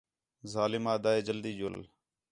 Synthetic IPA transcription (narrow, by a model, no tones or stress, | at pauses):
zaːlɪmaːd̪aːeːd͡ʒəld̪iːd͡ʒʊə̰l